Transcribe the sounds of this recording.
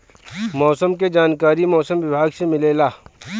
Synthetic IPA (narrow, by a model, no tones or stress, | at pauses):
mɔːsəmked͡ʒaːnkaːɾimɔːsəmʋɪbʱaːɡsemɪleːlaː